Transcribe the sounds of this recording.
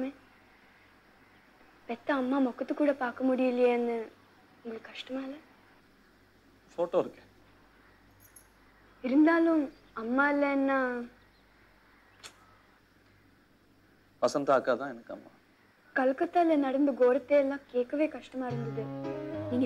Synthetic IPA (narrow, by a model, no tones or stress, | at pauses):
meː | pɛt̪ːɐɐmːaːmɔkːɐt̪ːɯkːuːɽɐpaːɾkɐmʊɽɪjɪlɪjeːɐnːɯ | ʊŋɡɐɭɯkːɐʂʈɐmaːɪlːɐ | foːʈoːɪɾɯkːɛ | ɪɾɯnd̪aːlʊ̃m | ɐmːaːɪlːɐnːaː | pɐsɐnd̪aːkːaːt̪ãːɛnɐkːɐ̰mːa̰ː | kɐlkɐt̪ːaːlenɐɽɐnd̪ɯɡoːɾɐt̪ːeːɛlːãːkeːʈkːɐʋeːkɐʂʈɐmaːɪɾɯnd̪ɐðɯniːŋɡ